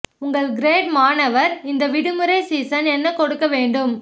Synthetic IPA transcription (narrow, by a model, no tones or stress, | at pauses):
ʊŋɡɐɭɡɾeːʈmaːnɐʋɐɾɪnd̪ɐʋɪɽɯmɯɾɐɪsiːsɐnɛnːɐkɔɽɯkːɐʋeːɳɖɯm